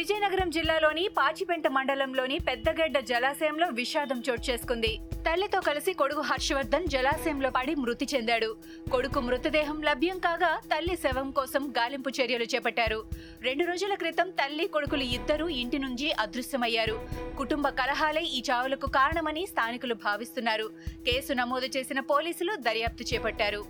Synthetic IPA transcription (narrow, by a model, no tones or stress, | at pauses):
ʋid͡ʒɐjnɐɡɐɾɐmd͡ʒilːaːlo̞ːnipaːt͡ʃipeɳʈɐmɐɳɖɐlɐmlo̞ːnipɛd̪ːɐɡɛɖːɐd͡ʒɛlaːsɐjɐmlo̞ːʋiʃaːd̪ɐmt͡ʃoːʈ̚t͡ʃe̞ːsu̥kund̪it̪ɐlːit̪o̞ːkɐlisiko̞ɽukuɦɐɾʃɐʋɐɾd̪ʱɐmd͡ʒɛlaːsɐjɐmloːɐɽimɾut̪it͡ʃe̞nd̪aːɽu | ko̞ɽukumɾut̪ɐd̪ɛːɦɐmlɐbʱjɐmkaːɡaːt̪ɐlːisɛʋɐmkɔːsɐmɡaːlimput͡ʃeɾjɐlut͡ʃɛːpɐʈːaːɾu | ɾe̞ɳɖuɾo̞ːd͡ʒulɐkɾit̪ɐmt̪ɐlːiko̞ɽukuluid̪ːɐɾuiɳʈinuɲt͡ʃiʔɐd̪ɾusjɐmɐjːaːɾukuʈumbɐkɐlɐɦaːleiːt͡ʃaːʋulɐkukaːɾɐɳɐmɐnist̪ʰaːnikulubʱaːʋist̪unːaːɾuke̞ːsunɐmoːd̪ɐt͡ʃe̞ːsinɐpoːliːsulud̪ɐɾjaːp̚t̪it͡ʃɛːpɐʈːaːɾu